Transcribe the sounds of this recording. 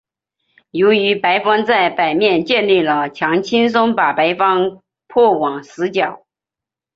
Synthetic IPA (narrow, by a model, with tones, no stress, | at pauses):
jo˧˥ʊy˧˥pa˧˥ɪfɑ˥ŋt͡sa˥˩ɪpa˨˩ɪmjɛ˥˧nt͡ɕjɛ˥˧nli˥˩lə˩t͡ɕʰjɑ˧˥ŋt͡ɕʰi˥nsʊ˥ŋpa˨˩pa˧˥ɪfɑ˥ŋ | pʰwɔ˥˩wɑ˨˩ŋsɹ̩˧˥t͡ɕjɑ˨˩˦ʊ